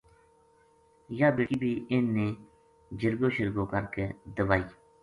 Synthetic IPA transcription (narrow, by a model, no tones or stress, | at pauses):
jaːbeːʈiːbʱiːʔɪnːeː | d͡ʒəɾɡoːʃəɾɡoːkəɾkeːd̪əʋaːiː